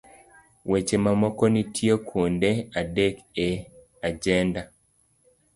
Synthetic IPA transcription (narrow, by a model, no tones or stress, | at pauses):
wet͡ʃemamɔkɔnitʰjekʰondeadeke | ad͡ʒɛnda